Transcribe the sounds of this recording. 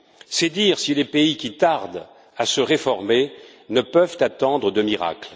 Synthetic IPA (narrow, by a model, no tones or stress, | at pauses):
sɛd̪iʁsilepeikʲit̪aʁd̪ | asəʁefɔʁme | nəpœvt̪at̪ɑ̃d̪ʁəd̪əmiʁa̰kl